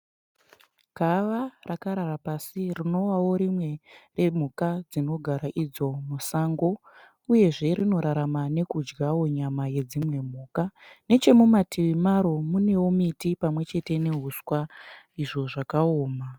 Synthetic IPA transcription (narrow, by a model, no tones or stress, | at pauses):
ɡ̥ʱaʋarakaɾaɾapasirino̞wawo̞ɾimwe̞re̞m̤ukad͡zino̞ɡʱaɾaʔid͡zo̞musaːŋɡo̞ | uje̞ʐe̞rino̞ɾaɾamane̞kud͡ʒɡawo̞ɲamaje̞d͡zimwe̞m̤uːkane̞t͡ʃe̞mumatʰiʋimaɾo̞mune̞womitipamwe̞t͡ʃe̞te̞ne̞ɦuswa | iʐo̞ʐakaoːma